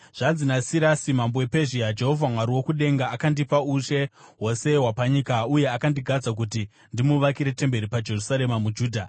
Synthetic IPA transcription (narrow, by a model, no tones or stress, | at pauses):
ʐ̥anzinasiɾasimambowepe̞ʒiad͡ʒe̞ɦo̞vʱamwaɾiwo̞kuɗe̞ŋɡaːkandipauʃe̞ɦo̞se̞wapaɲikauje̞akandiɡʱad͡zak̬uti | ndimuʋakiɾe̞te̞mbe̞ɾipad͡ʒe̞rusaɾe̞mamud͡ʒuːdʱa